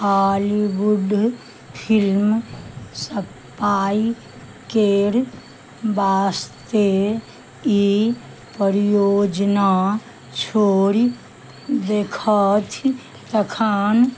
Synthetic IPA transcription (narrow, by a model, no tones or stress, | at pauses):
ɦaːliwuɖ | pʰilmsə | paːi | keːɾ | baːst̪e | i | pəɾjoːd͡ʒna | t͡ʃʰoːɾi | d̪eːkʰət̪ʰ | t̪əkʰaːn